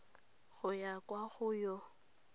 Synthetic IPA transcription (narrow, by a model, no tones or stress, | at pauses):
ɣʊjakʼwaɣʊjɔ